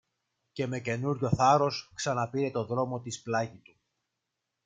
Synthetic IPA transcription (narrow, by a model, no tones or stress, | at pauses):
ce̞me̞ce̞nuɾʝo̞θɐɾo̞sksɐnɐpiɾe̞t̪o̞ðɾo̞mo̞t̪isplɐʝit̪u